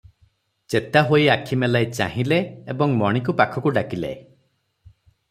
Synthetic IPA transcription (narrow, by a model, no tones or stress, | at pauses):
t͡ʃet̪aɦojakʰimelajt͡ʃa̰ɦĩleebɔŋmɔɽ̃ik̬upakʰɔkuɖakila̰e